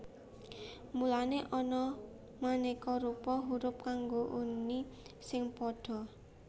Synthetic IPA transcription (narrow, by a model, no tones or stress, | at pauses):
mulaneʔɔnɔ | manekɔɾupɔɦuɾʊp̚kaŋɡoʔunisɪŋpɔd̥ɔ̤